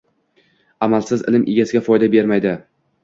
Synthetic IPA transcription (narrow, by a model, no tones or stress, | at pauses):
amalsɪzɪ̰lɪmʔeɡʲasɪɡʲafɒjd̪abe̞ɾmajd̪ɪ